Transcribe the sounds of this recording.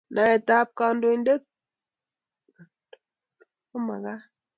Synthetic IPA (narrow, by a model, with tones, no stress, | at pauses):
na˨ɛ˨ta˦p̚ka˨ndo˨˦nde˦k̚ | ʊ˦ma̰˨ka˦